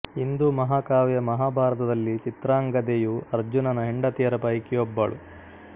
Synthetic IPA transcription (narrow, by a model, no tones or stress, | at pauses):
ind̪umɐɦaːkaːʋɛjɐmɐɦaːbʱaːɾɐt̪ɐd̪ɐlːit͡ʃit̪ɾaːŋɡɐd̪ejuɐɾd͡ʒunɐnɐɦeɳɖɐt̪ijɐɾɐpɐjkiobːɐɭu